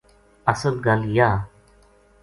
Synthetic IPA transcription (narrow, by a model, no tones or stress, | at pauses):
əsəlɡəljaː